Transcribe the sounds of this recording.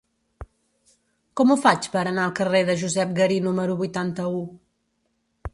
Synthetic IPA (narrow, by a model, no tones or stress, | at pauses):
kɔmufat͡ʃpəɾənaəlˠkəreðəʒuzɛp̚ɡəɾinuməɾuβujt̪ant̪əu